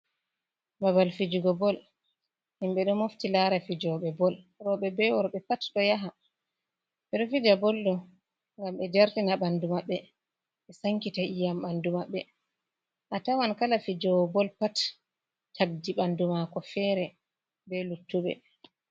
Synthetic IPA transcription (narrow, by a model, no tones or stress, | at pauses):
mabalfid͡ʒuɡɔbɔl | himɓɛɗɔmoftilaɾafid͡ʒɔɓɛbɔl | ɾɔɓɛbɛwɔɾɓɛpatɗɔjaɦa | ɓɛɗɔfid͡ʒabɔldɔ | ŋɡamɓɛd͡ʒaɾtinaɓandumaɓːɛ | ɓɛsaŋkitaʔijamɓandumaɓːɛ | ʔatawankalafid͡ʒɔwbɔlpatːʰ | ab̚diɓandumakɔfɛɾɛ | bɛlutːuɓɛ̰